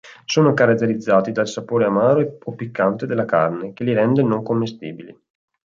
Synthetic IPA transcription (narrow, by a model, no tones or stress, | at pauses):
soːnokaɾat̪ːeɾid̪zːaːt̪id̪alsapoːɾeamaːɾoepopikːant̪ed̪elːaka̰rnekeliɾɛnd̪enoŋkomːest̪ḭːbilḭ